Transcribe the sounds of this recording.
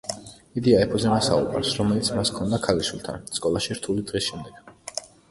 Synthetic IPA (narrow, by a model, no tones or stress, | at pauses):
id̪iaɛpʰɔzɛmasa̰ṵkʼa̰ɾsɾɔmɛlit̪sʰmaskʰɔnd̪akʰaliʃulˠt̪ʰa̰nt̪sʼkʼɔlˠaʃiɾt̪ʰulid̪̥ʁɛsʃɛmd̪ɛɡ̥